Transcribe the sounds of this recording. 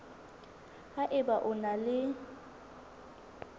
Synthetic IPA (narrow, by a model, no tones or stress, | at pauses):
ɣaʔɪbaʔʊnalɪ